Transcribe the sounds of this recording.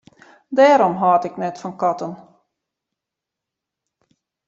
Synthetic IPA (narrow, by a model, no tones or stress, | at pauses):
dɛːɾɔmɦɔːtɪknɛtfɔnkɑtən